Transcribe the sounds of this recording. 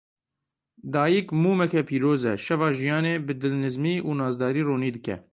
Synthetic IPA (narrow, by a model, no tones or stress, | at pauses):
d̪ɑːjikmuːmɛkɛpʰiːɾoːzɛʃɛvɑːʒijɑːneːbɨd̪ɨlnɨzmiːʔuːnɑːzd̪ɑːɾiːroːniːd̪ɨkɛ̰